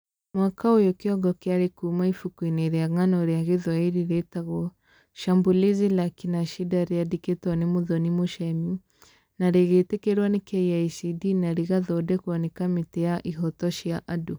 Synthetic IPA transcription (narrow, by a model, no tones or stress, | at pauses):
mwakaojɔkiɔɡɔkɛaɾekumaifukwineɾjaŋanɔɾiaɣiðwaiɾiɾetaɣɔ | ʃambulizilakinaʃidaɾiadiketɔnimuðɔnimoʃɛmu | naɾeɣetekeɾwanekɛiaisidinaɾiɣaðɔdɛkuɔnɛkamitɛjaʔiɦɔtɔʃiaʔadu